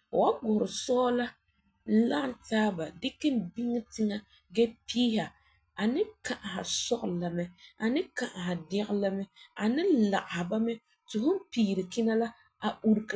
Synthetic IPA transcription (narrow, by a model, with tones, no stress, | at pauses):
wa˦ɡʊ˨ɾɪ˨sɔː˦la˦ | la˦˨ntaː˦ba˨dɪ˦kɪ˦nbi˦ŋɪ˦tɪ˦ŋa˨ | ɡɛ˦piː˦ɦa˨ | a˨nɪ˦ka˨ʔa˨ɦa˨sɔ˦ʔla˨mɛ˦a˨nɪ˦ka˨ʔa˨ɦa˨dɛ˦ɣla˦mɛ˦a˨nɪ˦la˨ʔa˨ha˨ba˦mɛ˦ | tʊ˨hʊ˦m˦piː˨ɾɪ˨kɪ˦na˦la˦ | a˨u˦ɾk